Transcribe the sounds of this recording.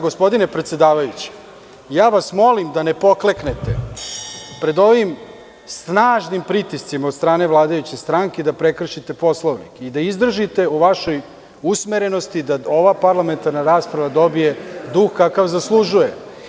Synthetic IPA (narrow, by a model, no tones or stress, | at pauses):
ɡo̞spo̞d̪inepɾet̪sed̪aːʋajut͡ɕe̥ | jaːʋasmo̞limd̪ane̞po̞kle̞kne̞t̪e | pɾe̞d̪o̞ʋim | snaːʒnimpɾit̪ist̪simaod̪st̪ɾaːne̞ʋlˠaːd̪ajut͡ɕest̪ɾaŋked̪apɾe̞kr̩ʃit̪e̞po̞slˠoʋnḭkeid̪aizd̪r̩ʒit̪e̞uʋaʃo̞j | usmeɾe̞no̞st̪id̪ao̞ʋapaɾlame̞nt̪aɾnaɾaːspɾaʋad̪o̞bije̞d̪uxkakaʋzaslˠuʒuje̞